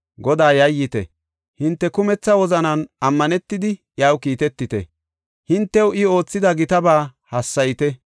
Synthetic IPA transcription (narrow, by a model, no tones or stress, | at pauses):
ɡɔd̪aːjɐjːɪt̪ɛ̰ | hɪnt̪ːɛkʊmɛt͡sːɐwɔzɐnɐnɐmːɐnɛt̪ːɪd̪ɪ | jawkiːt̪ɛt̪ːɪt̪ɛ̰ | hɪnt̪ːɛwɪo̞ːt͡sːɪd̪ɐɡɪt̪ɐbaːhɐsːɐjt̪ɛ